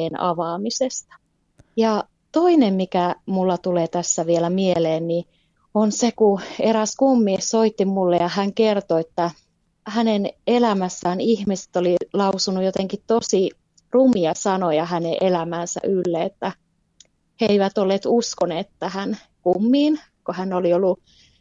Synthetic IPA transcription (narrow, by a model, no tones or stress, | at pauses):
eːnɑ̰ʋɑːmisest̪ɑ̥ | jɑ | t̪oinemmikæmulːɑt̪uleːt̪æsːæʋielæmieleːnni | onsekueɾæskumːiːssoit̪ːimmulːejɑhæŋkert̪oet̪ːæ | hænenelæmæsːæːnihmise̥t̪olilɑusunujot̪eŋkitt̪osi | rumiɑsɑnojɑhæneʔelæmæːnsæ̰ʔylːeet̪ːæ | heeiʋæt̪olːeːt̪uskoneːt̪t̪æhæn | kumːiːn | kohænːoliolːu